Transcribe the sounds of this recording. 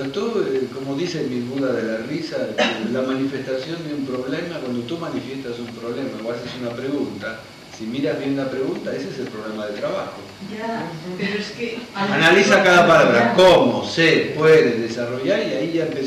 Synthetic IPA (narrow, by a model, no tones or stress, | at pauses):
t̪ueko̞moðisemilβuðaðelarisalamanife̞st̪asjo̞nd̪eumpɾo̞βlemakwand̪ot̪umanifje̞st̪asumpɾo̞βlemaoβasesunapɾeɣunt̪a | simiɾazβjenlapɾe̞ɣunt̪aes̬eeselpɾoβlemaðet̪ɾaβaxo | peɾoskeanalisakaðapalaβɾakomosepweðeðesaro̞ʝaɾiaiʝaempe